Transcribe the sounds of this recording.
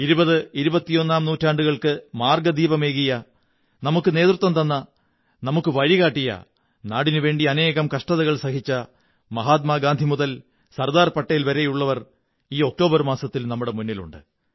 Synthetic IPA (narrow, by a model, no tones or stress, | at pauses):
iɾubɐðɨiɾubɐt̪ːijo̞nːaːmnuːtːaːɳɖuɣɐɭkɨmaːrɡɐd̪iːbɐme̞ːɣijɐ | nɐmukːɨne̞ːt̪rut̪ʋɐmt̪ɐnːɐ | nɐmukːɨʋɐɻiɣaːʈːijɐ̰ | naːɽinɨʋe̞ːɳɖiɐne̞ːɣɐmkɐʂʈɐðɐɣɐɭsɐhit͡ɕːɐ | mɐɦaːt̪̬maːɡaːnd̪ʱimuðɐl | sɐrd̪aːrpɐʈːɐjilʋɐɾe̞juɭːɐʋɐr | iːo̞k̚ʈo̞ːbɐrmaːsɐt̪ːilnɐmːuɽe̞munːilṵɳɖɨ̰